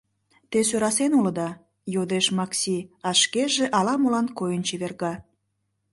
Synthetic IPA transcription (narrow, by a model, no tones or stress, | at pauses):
t̪es̬øɾɑsenulə̆d̪ɑ | jod̪eʃmɑksʲiɑʃkeʒeʔɑlɑmolɑnkojənt͡ɕiβerɣɑ